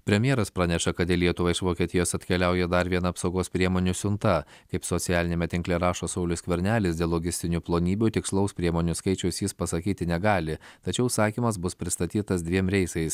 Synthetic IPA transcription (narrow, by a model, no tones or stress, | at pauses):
pʲɾʲɛmʲjɛɾɐspɾɑːnʲɛʃɐkɐd̪ʲɪlʲiɛt̪ʊʋɐɪʃʋoːkʲiɛt̪ʲɪjoːsɐt̪ʲkʲɛlʲæʊjɛd̪ɐɾʋʲiɛnɐːpsɒʊɡoːspʲɾʲiɛmoːnʲusʲʊnt̪ɐkɐɪpsɔt̪sʲɪjæːlʲɪnʲeːmʲɛt̪ʲɪŋklʲɛɾɑːʃoːsɒʊlʲʊsʲkʲʋʲɛɾʲnʲæːlʲɪsd̪ʲeːlˠːoːɡʲɪsʲt̪ʲɪnʲuːplˠoːnʲiːbʲut̪ʲɪkslˠɒʊspʲɾʲiɛmoːnʲuskɐɪt͡ʃʲɛʊsjɪspɐsɐkʲiːt̪ʲɪnʲɛɡɑːlʲɪt̪ɐt͡ʃʲɛʊsɑːkʲiːmɐsbʊspʲɾʲɪst̪ɐt̪ʲiːt̪ɐsd̪ʲʋʲiɛmɾʲɛɪsɐɪs